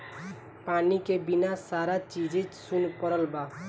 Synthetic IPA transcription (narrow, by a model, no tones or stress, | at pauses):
panikebinasaɾat͡ʃid͡ʒet͡ʃsunpəɾəlba